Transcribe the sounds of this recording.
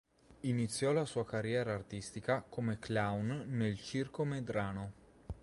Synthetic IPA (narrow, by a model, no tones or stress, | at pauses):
init̪sːjɔlasuːakarjɛːɾaːrt̪ist̪ikakomeklawnːelt͡ʃirkomed̪ɾaːno